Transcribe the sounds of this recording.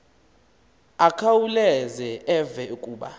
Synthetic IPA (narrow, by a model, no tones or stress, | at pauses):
akʰawulɛzɛɛvɛkʼuːɓa̰